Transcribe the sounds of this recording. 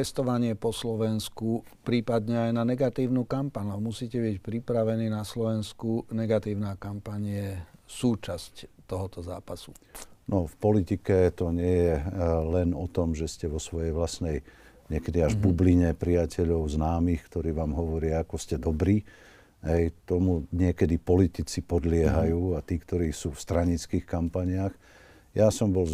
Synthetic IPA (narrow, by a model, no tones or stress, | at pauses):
t̪ɛst̪ɔʋaɲɪɛpɔslɔʋɛnskupɾiːpad̪ɲɛajnanɛɡat̪iːʊnukampaɲamusiːcɛbicpɾipɾaʋɛniːnaslɔʋɛnskunɛɡat̪iːʊnaːkampaɲɪɛsuːt͡ʃasct̪ɔɦɔt̪ɔza̰ːpasu̥nɔfpɔlit̪ikɛt̪ɔɲɪɛjɛlɛnɔt̪ɔmʒɛscɛʋɔsʋɔjɛjʋlasnɛj | ɲɪɛkɛd̪iaʒbubliɲɛpɾijacɛʎɔʊznaːmiːxkt̪ɔɾiːʋaːmɦɔʋɔɾɪaakɔscɛd̪ɔbɾiː | ɦɛjt̪ɔmuɲɪɛkɛd̪ipɔlit̪it͡sipɔd̪lɪɛɦajuːat̪iːkt̪ɔɾiːsuːfst̪ɾaɲit͡skiːxkampaɲɪax | jasɔmbɔl